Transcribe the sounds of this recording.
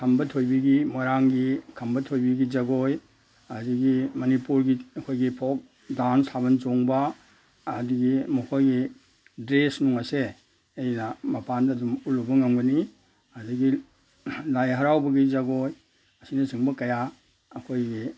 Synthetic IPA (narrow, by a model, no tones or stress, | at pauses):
kʰɐmbɐtʰojbiɡimaɾaŋɡikʰɐmbɐtʰojbiɡid͡ʒɐɡoj | ɐdiɡimɐnipuɾɡiɐkʰojɡipʰok̚ | dansabɐnt͡ʃoŋbɐː | diɡimɔkʰojɡi | dɾesnuŋase | ejnɐmɐpandɐːdumulubɐŋambɐni | ɐdiɡi | lajɦɐɾawbɐɡid͡ʒɐɡoj | ɐsinɐsiŋbɐkɐja | ɐkʰojɡi